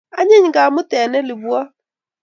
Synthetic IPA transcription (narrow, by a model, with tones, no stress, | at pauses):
a˦ɲe˦ɲŋɡa˨mo˦tɛ˨nɛ˦lɪ˨βwa˦